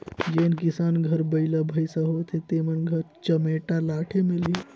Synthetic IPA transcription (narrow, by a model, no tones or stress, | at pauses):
d͡ʒenkisanɡʱəɾbəɪləbʱəjsə̃ɦot̪ʰet̪emənɡʱəɾt͡ʃəmeʈalaʈʰemeli